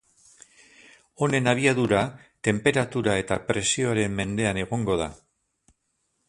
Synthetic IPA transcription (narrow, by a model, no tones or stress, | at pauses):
o̞ne̞naβ̞iaðuɾat̪e̞mpe̞ɾat̪uɾae̞t̪apɾe̞sio̞aɾe̞mmːe̞nd̪e̞ane̞ɣ̞o̞ŋɡo̞ð̞a̰